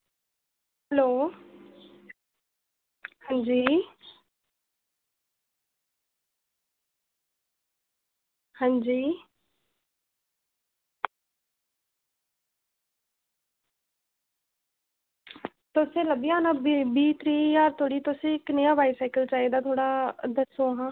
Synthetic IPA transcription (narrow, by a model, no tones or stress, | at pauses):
hɦɦɛloː | hãːnd͡ʒiː | hãːɲd͡ʒiː | t̪ʊsẽːləbiãːnãːbbiːt̪ʰɾiːjaːɾt̪ʰoːɽiːt̪ʊsĩːɪknejãːbaːisaːɪkəlt͡ʃaːeːd̪aːt̪ʰoːɽaːd̪əsoːɦãː